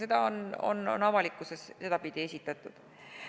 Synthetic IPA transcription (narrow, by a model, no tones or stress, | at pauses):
se̞d̪̥ɑo̞no̞̰no̰nɑvɑlikːˑuse̞sse̞d̪ɑpid̪̥ʲie̞sʲit̪ːˑɑt̪ːˑud̪̥